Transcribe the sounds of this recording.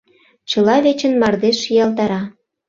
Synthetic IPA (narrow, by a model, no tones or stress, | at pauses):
t͡ɕɤ̆lɑβet͡ɕə̆nmɑrd̪eʃijɑlt̪ɑɾɑ